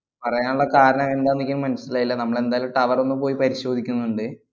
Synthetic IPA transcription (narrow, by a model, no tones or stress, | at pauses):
pɐrɐjaːnuɭːɐkaːɾɐɳɐme̞nd̪aːnːikʲːɐnumːɐnɐsilaːjilːɐnɐmːɐɭe̞nd̪aːjaːlumʈːɐʋɐro̞nːupoːjipɐɾiɕo̞ːd̪ʱikʲːunːuɳɖɨ